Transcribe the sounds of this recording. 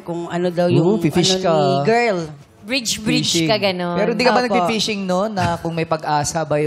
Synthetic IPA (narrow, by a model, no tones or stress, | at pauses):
kʊŋʔɐnod̪ɐwjʊfɪfɪʃkɐɡɛl | bɹit͡ʃbid͡ʒkɐɡɐnopɛːɾoɪnd̪ikɐbɐnɐɡfɪffɪʃɪŋnonːɐkʊŋmɐjpɐɡʔaːsɐbɐj